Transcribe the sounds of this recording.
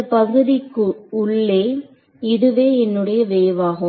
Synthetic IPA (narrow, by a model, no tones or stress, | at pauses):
ɐpɐɣɯðɪkːɯʊɭːeː | ɪðɯʋeːɛnːɯɽɐjɐʋeːʋaːɣɯ